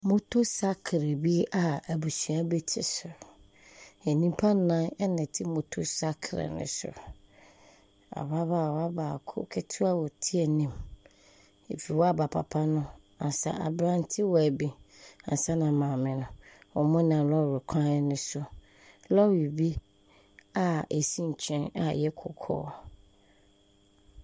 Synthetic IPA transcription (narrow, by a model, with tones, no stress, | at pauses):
mʊ̃˦tʰo˦sa˦kʰɾe˨bi˦a˨æ˨bu˨si˨a˦bɛ˦tʰɪ̰˦˨sʊ˨ɾ | e˨nĩ˦m˦pʰa˦nã˦ɛ˦nɛ̃˨tʰɪ˦mõ˨tʰo˦sa˦kʰɾɛ̰˨nʊ̰̃˦sʊ̰˨ɾ | a̰˨ba˦ba˦˨wa˦ba˨kʰʊ̰˦kʰɛ˦tʰu˦a˦wɔ˨tʰi˦ɛ˨nĩ˦m | e˨fi˨wɔ˦a˦ba˨pʰa̰˨pʰa˦nʊ̃˦ | ã˨sa̰˨ʔa̰˨bɾã˦n˦tʰɪ˦wɔ˨æ˨bi˨ã̰˨sa˦nã˨mãː˨mɪ̃˨nʊ̃˨wɔ˨mʊ̃˦nã˨lɔ˦˨ɾʊ˨kʷʰã˦nʊ̃˦sʊ˨ | lɔ˦wi˨bi˦ | a˨e˨si˦ɲ̩˨t͡ɕʰɛ̃˦na̰˨jɛ˦kʰʊ̰˨kʰɔ̰ː˦